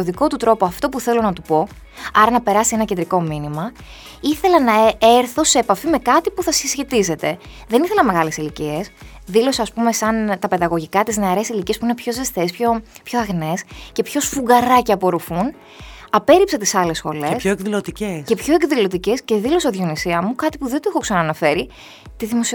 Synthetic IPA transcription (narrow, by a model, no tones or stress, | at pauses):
oðiko̞t̪ut̪ɾo̞poɐft̪o̞puθe̞lo̞nɐt̪upo̞ | ɐɾɐnɐpe̞ɾɐsie̞nɐcend̪ɾiko̞minimɐ | iθe̞lɐnɐeɾθo̞se̞ːpɐfime̞kɐt̪ipuθɐsisçe̞t̪ize̞t̪e̞ | ðe̞niθelɐme̞ɣɐle̞silicie̞s | ðiloseɐːspumesɐnt̪ɐpe̞ðɐɣo̞ʝikɐt̪izne̞ɐɾe̞silicie̞spuinepço̞ze̞st̪e̞spço̞pçoɐɣne̞sce̞pço̞sfuɡɐɾɐceɐpo̞ɾofun | ɐpe̞ɾipsɐt̪isɐle̞sxo̞̰lesoekðilot̪icecepço̞e̞kðilo̞t̪ice̞sce̞ðilo̞s̬eðjo̞nisiɐmukɐt̪ipuðed̪oexoksɐnɐnɐfe̞ɾi | t̪iðimo̞si